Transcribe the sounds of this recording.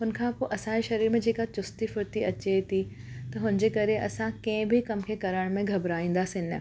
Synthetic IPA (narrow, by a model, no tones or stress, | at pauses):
ɦʊnkʰãpoːʔɐsãeʃɐɾiːɾmẽd͡ʑeːkat͡ɕʊst̪ifʊɾt̪iɐt͡ɕet̪ʰi | t̪ɐɦʊnd͡ʑeːkɐɾeʔɐsãkɐ̃ɪ̃bʱikɐmkʰekɐɾəɽ̃mẽɡʱɐbɾaːĩːnd̪aːsɪ̃nə̰